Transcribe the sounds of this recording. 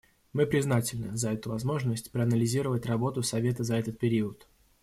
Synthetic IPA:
mɨpɾʲɪznatʲɪlʲnɨzɐɛt̪ʊvɐzmo̞ʐnəsʲtʲpɾəɐnəlʲɪzʲiɾəvətʲrɐbo̞t̪ʊsɐvʲe̞t̪əzɐɛt̪ət̪̚pʲɪɾʲiət̪

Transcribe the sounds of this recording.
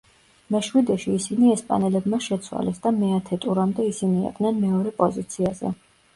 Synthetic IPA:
mɛʃwid̪ɛʃiːsiniɛspʼa̰nɛlɛbmaʃɛt̪sʰwa̰lɛsd̪amɛat̪ʰɛt̪ʼuɾamd̪ɛisiniɛ̰qʼd̪nɛnmɛɔɾɛpʼɔzit̪sʰiazɛ̰

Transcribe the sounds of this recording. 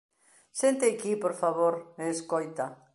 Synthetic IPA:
sent̪ekipoɾfaβoɾeːskojt̪ɐ

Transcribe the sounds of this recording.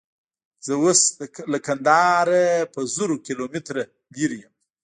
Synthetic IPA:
z̥əwoslakand̪ɑɾapəzuɾokilomɪt̪ɾa | liɾijəm

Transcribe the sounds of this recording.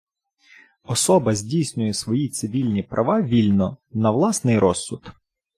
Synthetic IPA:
ɔsɔbɐzʲdʲijsʲnʲʊjɛsʋɔjit̪sɪʋʲilʲnʲipɾʔɐʋɑʋʲilʲnɔnɐʋlˠɑsnɪjɾɔsːʊt̪

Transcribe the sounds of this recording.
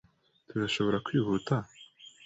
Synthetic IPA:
t̪uɾaʃo̞βo̞ɾakwiːhuːta

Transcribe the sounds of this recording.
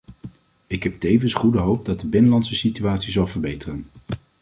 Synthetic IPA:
ɪkɦɛp̚tejvənsχudəɦowp̚dɑt̚dəbɪnəlɑntsəsityaːtsizɑlˠvəɹbejtərən

